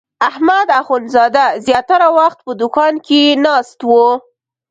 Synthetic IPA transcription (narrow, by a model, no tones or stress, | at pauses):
ahmad̪axonzɑd̪azjɑt̪aɾawaxt̪̚pəd̪ʊkɑnkenɑst̪wo